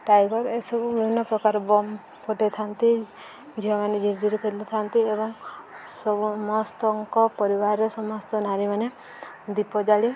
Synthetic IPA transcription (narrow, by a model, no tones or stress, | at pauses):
ʈajɡɔɾesɔbubiinɔpɾɔkaɾɔbɔm | kɔʈet̪ʰant̪i | d͡ʒiɦɔmaned͡ʒʱiɾd͡ʒiɾikeɾilit̪ʰant̪iebɔŋsɔmɔst̪ɔŋkɔpɔɾibaɾɔsɔmɔst̪ɔnaɾimane | d̪ipɔd͡ʒaɽi